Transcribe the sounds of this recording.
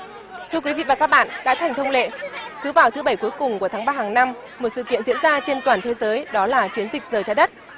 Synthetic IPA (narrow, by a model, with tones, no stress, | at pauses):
t̪ʰɨ˧əkwi˨˦vḭ˧˨vaː˨˩kaː˦˥k̚ɓa̰ː˧˨nɗa̰ː˧˥t̪ʰa˨˩jŋ̟t̪ə˧wŋ͡mlḛ˧˨sɨ˨˦vaː˨˩wt̪ʰɨ˨˦ɓə˧˩jku˨˦jkʊ˨˩ŋ͡mku˧˩ət̪aː˨˦ŋɓaː˧haː˨˩ŋna˧m | mo˨˩t̚sɨ̰˧˨kḭ˧˨ənzḭ˧˥ənzaː˧t͡ɕe˧nt̪waː˨˩nt̪ʰe˨˦zəː˨˦jɗɔ˨˦laː˨˩t͡ɕi˨˦ənzï˨˩k̟̚zəː˨˩jt͡ɕaː˧˩ɗə˦˥t̚